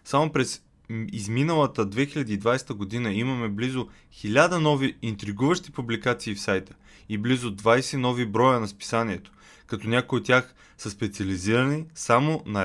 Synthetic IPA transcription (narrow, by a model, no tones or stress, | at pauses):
samopɾɛs | izminəlˠət̪əd̪vɛxilʲɐd̪iːd̪vajst̪əɡod̪inəimɐmɛblizo | xilʲad̪ənɔviint̪ɾiɡuvəʃt̪ipublikat̪siːfsajt̪ə̥ | iblizʊd̪vajsɛnɔvibɾɔjənɐspi̥saniɛt̪o̥ | kɐt̪ɔnʲakojiot̪ʲːjax | səspɛt̪siɐliziɾɐnisamonɐ